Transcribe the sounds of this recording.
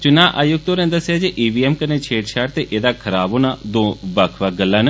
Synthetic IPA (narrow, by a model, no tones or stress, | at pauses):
t͡ʃʊnãːʔaːjʊɡ̚t̪oːɾɛ̃ːd̪əsːjaːd͡ʒeʔiːbiːɛːmkəneːt͡ʃʰeːʈʃʰaːʈt̪eːʔeːd̪aːkʰəɾaːboːnaːd̪õːbakʰʋaːɡəlːãːnə